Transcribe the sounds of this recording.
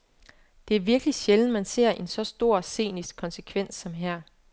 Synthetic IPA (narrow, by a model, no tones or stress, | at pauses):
d̥e̝æɐʋiɐɡ̥əliɕeln̩mænse̝ɐ̰ʔe̝nsɒ̽sd̥o̝ɐ̰se̝̰ːnisɡ̥̚kʰɒ̽nsekʰʋen̰sːɒ̽mɦæɐ̰